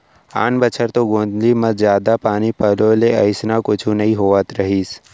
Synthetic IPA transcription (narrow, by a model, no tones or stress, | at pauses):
a̰ːnbət͡ʃʰəɾt̪oɡõːnd̪limɐɾzjaːd̪apaːnipɐloleɐɪsnakʊt͡ʃʰũnɐɦĩɦoːʋət̪ɾɐɦiːs